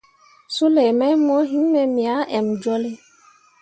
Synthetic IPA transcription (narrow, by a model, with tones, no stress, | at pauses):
sʊ˦lɛ˨mɛ˦m˦ɔ˦ɦĩ˦m˦me˨mĩ˨a˨˦ɛ˨m˨d͡ʒɔ˦lɪ˦